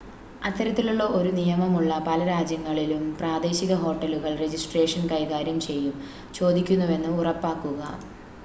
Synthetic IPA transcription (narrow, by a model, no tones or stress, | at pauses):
ɐt̪ʰːɐɾɐt̪ːiluɭːɐo̞ɾunijɐmɐmuɭːɐpɐlɐɾaːd͡ʑjɐŋːɐɭilumpraːd̪e̞ːɕiɣɐɦo̞ːʈːɐluɣɐɭre̞d͡ʑisʈre̞ːʂɐnkɐjɣaːɾjɐmt͡ɕe̞jːum | t͡ɕo̞ːd̪ikʲːunːuʋe̞nːɨurɐpːaːkːuɣɐ̰